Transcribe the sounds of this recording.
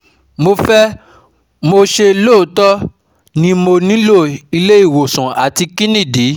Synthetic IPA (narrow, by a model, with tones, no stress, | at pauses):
mo˧fɛ˦ | mo˧ʃe˧lo˦˨˦tɔ˦ | nĩ˧mo˧nĩ˨˦lo˦˨i˧le˦i˦˨wo˨sɔ̃˨a˨ti˧kĩ˦nĩ˦˨di˨˦